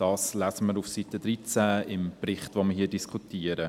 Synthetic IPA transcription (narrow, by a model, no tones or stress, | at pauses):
d̥ɑːslæsəməɾufsit̪ədɾit͡sæɪmprɪχtʋoːməɦiːədiskʰutiːəɾə